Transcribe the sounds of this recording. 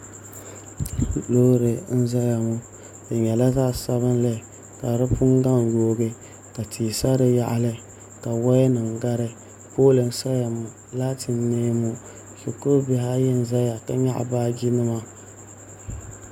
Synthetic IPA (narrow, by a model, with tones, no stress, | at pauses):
lo˦ɾɨ˨n̩˦za˦ja˨mu˦ | dɨ˨ɲɛ˨la˦zaː˦˨sa˦βɨ˦n˦lɨ˨ | ka˨ɾɨ˦pʊ˦ŋɡa˦ŋ˨joː˦ɡɨ˦ | ka˨tʰiː˨sa˦ɾɨ˨ja˨ʔa˨lɨ˦ | ka˨wa˦ɛ˦nɨ˨ŋɡa˦ɾɨ˦ | poː˦lɨ˨n˦sa˦ja˨mu˨ | laː˦tʰɨ˨nːeː˦mu˦ | sʊ˨ko˦bɪ˦ɦa˦jɛ˦n˨za˦ja˨ka˦ɲa̰˦ʔa̰˨baː˦d͡ʒi˦nɨ˦ma˦